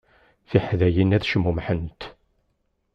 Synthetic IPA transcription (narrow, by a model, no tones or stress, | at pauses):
θiħðæjinæðʃəmːumħənt̪